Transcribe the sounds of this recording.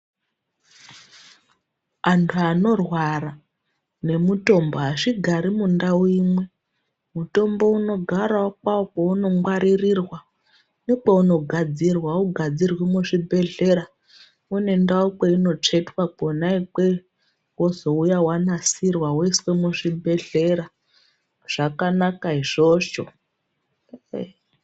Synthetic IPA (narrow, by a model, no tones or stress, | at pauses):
antʰuano̞rwara | ne̞muto̞mboɦaʂiɡʱaɾimundauimwe̞ | muto̞mbo̞uno̞ɡʱaɾaokwaokeuno̞mwaɾirirwa | nek͡pauno̞ɡʱad͡zirwauɡʱad͡zirwimuʐibʱe̞ɮe̞ɾa | une̞ndaok͡peino̞t͡ʂe̞twakonaik͡pe̞ | wozo̞ujawanasirwawiswemuʂibʱe̞ɮe̞ɾa | ʐ̥akanakaiʐo̞ʐo